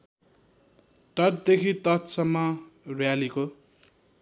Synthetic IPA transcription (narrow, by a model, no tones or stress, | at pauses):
ʈʌʈ̚d̪ekʰit̪ʌt̪sʌmːʌrwjaliko